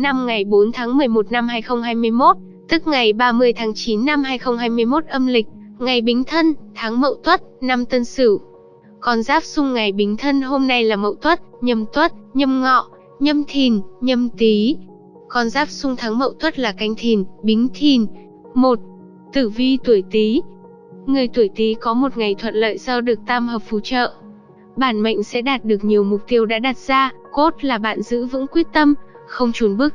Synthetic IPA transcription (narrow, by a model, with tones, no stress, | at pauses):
na˧mŋa˨˩jɓo˨˦nt̪ʰaː˨˦ŋmɨ˨˩əjmo˨˩t̚na˧mɦaː˧jxə˧wŋ͡mɦaː˧jmɨ˧əjmo˦˥t̚ | t̪ɨ˦˥k̚ŋa˨˩jɓaː˧mɨ˧əjt̪ʰaː˨˦ŋt͡ɕi˨˦nːa˧mhaː˧jxə˧wŋ͡mhɦaː˧jmɨ˧əjmo˦˥t̚ʔə˧mlï˨˩k̟̚ŋa˨˩jɓi˨˦ŋ̟t̪ʰə˧nt̪ʰaː˨˦ŋmə̰˧˨wt̪wə˦˥t̚na˧mt̪ə˧nsɨ˧˩ | kɔ˧nzaː˦˥p̚sʊ˧ŋ͡mŋa˨˩jɓï˨˦ŋ̟t̪ʰə˧nɦo˧mna˧jlaː˨˩mə̰˧˨wt̪wə˦˥t̚ɲə˧˩mt̪wə˦˥t̚ɲə˧mŋɔ̰˧˨ | ɲə˧mt̪ʰi˨˩nɲə˧mt̪i˨˦ | kɔ˧nzaː˦˥p̚sʊ˧ŋ͡mt̪ʰa˨˦ŋmə̰˧˨wt̪wə˦˥t̚laː˨˩ka˧jŋ̟t̪ʰi˨˩nɓï˨˦ŋ̟t̪ʰi˨˩n | mo˨˩t̚ | t̪ɨ˧˩vi˧t̪u˧˩əjt̪i˨˦ | ŋɨ˨˩əjt̪u˧˩əjt̪i˨˦kɔ˨˦mo˨˩t̚ŋa˨˩jt̪ʰwə̰˧˨nlə̰ː˧˨jsə˧wɗɨ˨˩ək̚t̪a˧mɦəː˨˩p̚fu˨˦t͡ɕə̰ː˧˨ | ɓaː˧˩nmə̰˧˨jŋ̟sɛ̰˧˥ɗaː˨˩t̚ɗɨ˨˩ək̚ɲi˨˩əwmʊ˨˩k͡p̚t̪i˧əwɗa̰ː˧˥ɗa˨˩t̚z̥aː˧ko˦˥t̚laː˨˩ɓa̰ː˧˨nzɨ̰˧˥vɨ̰˧˥ŋkwi˦˥ət̚t̪ə˧mxə˧wŋ͡mt͡ɕu˨˦nɓɨ˦˥ək̚